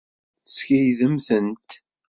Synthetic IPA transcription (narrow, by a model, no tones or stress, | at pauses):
sçæjðəmθənt̪